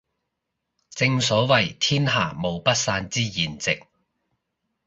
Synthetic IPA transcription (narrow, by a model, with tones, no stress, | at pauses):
t͡sɪ˧ŋsɔː˨˥wɐ˨˩jt̪ʰiː˥nɦa̰ː˨˩mo˨˩wpɐ˥t̚saː˧nt͡siː˥jiː˨˩nt͡sɪ˨k̚